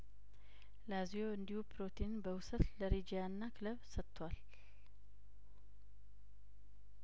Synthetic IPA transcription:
lazijo̞ɨnd̪ihupʰɾo̞t̪ʰinbəwʊsət̪ləɾed͡ʒijanːakʰɨləβsət̪ʰːwal

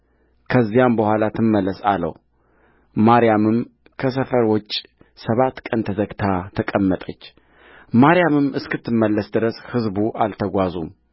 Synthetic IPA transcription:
kʰəzːijambəhʷalat̪ʰɨmːəlːəsa̰lːə̰w | maɾijamɨm | kʰəs̬əfəɾwɔt͡ʃʼ | səβat̪ːkʼənt̪ʰəzəɡt̪ʰat̪ʰəkʼəmːət̪ʼət͡ʃː | maɾijamɨmʔɨskɨt̪ʰːɨmːəlːəsd̪ɨɾəshɨzbuʔalt̪ʰəɡʷazum

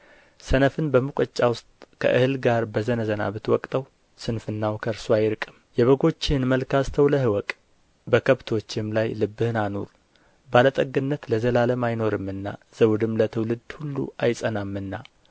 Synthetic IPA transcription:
sənəfɨnbəmɨkʷʼət͡ʃʼːawʊst̪ʼkʰə̰ʔɨhɨlɡaɾbəzənəzəna̰βɨt̪wɔkʼt̪ʼəw | sɨnfɨnːawkʰəɾsuajɾkʼɨmjɛβəɡo̞t͡ʃːɪɨnməlkʰast̪ʰəwləhɨwɔkʼ | bəkʰəβt̪ʰo̞t͡ʃːɪmlajlɨbːɨhɨnano̰ɾ | balət̪ʼəɡɨnːət̪ləzəlaləmajno̞ɾɨmɨnːa̰z̥əwd̪ɨmlət̪ʰɨwlɨd̪hulːṵajsʼənamːɨnːa

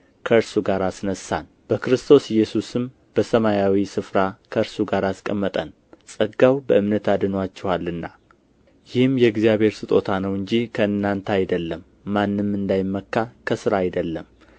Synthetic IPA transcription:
kʰəɨɾsuɡaɾasnəsan | b̥əkɨɾɨst̪ʰo̞sjɛsusɨm | b̥əsəmajawisɨfɾakʰəɨɾsuɡaɾaskʼəmːət̪ʼən | sʼəɡawbəʔɨmnət̪ad̪ɨnwat͡ʃːɛhalːɨnːa | jɪhɨmjɛɡzijaβhe̞ɾsɨt̪ʼo̞t̪ʰanəwɨɲd͡ʒikʰəɨnːant̪ʰəajd̪əlːəmː | anːɨmːɨnd̪ajɪmːəkːakʰəsɨɾajd̪əlːəm

